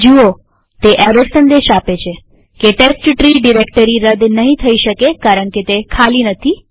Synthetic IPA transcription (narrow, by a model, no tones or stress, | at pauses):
d͡ʒuo | t̪eʔɛʋəɾsənd̪eʃapet͡ʃʰe | keʈesʈʈɾiɖiɾekʈəɾiɾəd̪nəɦĩt̪ʰəiʃəkekaɾəɳket̪ekʰalinət̪ʰi